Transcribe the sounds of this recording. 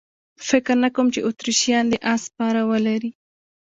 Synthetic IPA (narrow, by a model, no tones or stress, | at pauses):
fɪkɾnakowmt͡ʃeʔot̪ɾiʃjɑnd̪əʔaspɑɾawəlaɾi